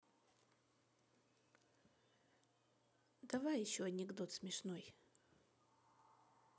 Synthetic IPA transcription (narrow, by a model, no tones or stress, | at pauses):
d̪ɐvajɪɕːoɐnʲɪɡd̪o̞t̪smʲɪʂnoj